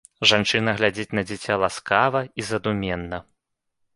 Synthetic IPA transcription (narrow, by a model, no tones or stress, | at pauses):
ʐant͡ʂɨnɐɣlʲad͡zʲit͡sʲnɐd͡zʲit͡sʲalˠaskavɐizɐd̪umʲɛnːɐ